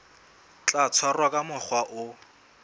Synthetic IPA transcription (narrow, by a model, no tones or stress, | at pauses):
t͡ɬʼat͡sʰwarwakʼamʊχwaʔʊ